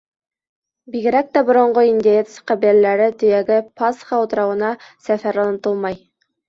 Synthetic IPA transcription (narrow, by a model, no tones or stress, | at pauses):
biɡɘ̆ɾæk̚t̪æbŏɾŏɴɢoinʲd̪ʲɪet̪sqɑβiælæɾɘt̪ɵ̆jæɡɘpɑsχɑut̪ɤ̆ɾɑwɤ̆nɑsæfæɾlˠɑnɤ̆t̪ɤlˠmɑj